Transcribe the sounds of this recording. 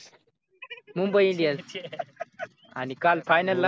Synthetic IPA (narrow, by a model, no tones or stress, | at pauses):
mumbəjĩliəs | a̰nikalfajnəlːa